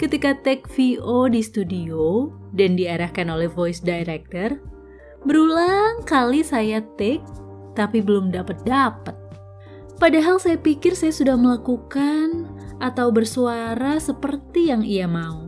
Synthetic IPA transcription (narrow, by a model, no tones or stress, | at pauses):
kət̪ikat̪ɛk̚fiodist̪udio | dandiaɾahkanolɛhvojsdaiɾɛk̚t̪ər | bəɾulaŋkalisajat̪ɛk̚ | t̪apibəlʊmdapət̪̚dapət̪̚ | padaɦalsajapikɪrsajasudahməlakukanʔat̪awbərsuaɾasəpərt̪ijaŋiamau